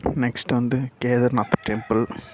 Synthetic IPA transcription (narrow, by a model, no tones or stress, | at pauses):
neksʈʋɐnd̪ɨkeːðɐɾnɐt̪ɐ̥ʈempɐl